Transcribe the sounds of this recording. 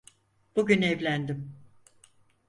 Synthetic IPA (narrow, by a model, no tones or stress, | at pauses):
b̥uɟynevlʲænd̪im